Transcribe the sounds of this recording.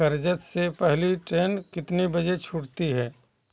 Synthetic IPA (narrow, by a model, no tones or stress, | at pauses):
ɐɾd͡ʒət̪sepɛɦliʈɾeːnkɪt̪nebɐd͡ʒet͡ʃʰʊɽt̪iɦɛː